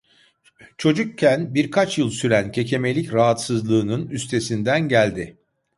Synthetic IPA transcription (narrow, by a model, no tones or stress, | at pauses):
t͡ʃʰo̞d͡ʒukcʰːænbiɾkʰat͡ʃjɯlˠsyɾæncʰe̞cʰe̞me̞lʲicɾaɦat̪sɯzlˠɯːnɯnyst̪ʰe̞sind̪ænɟælʲd̪ɪ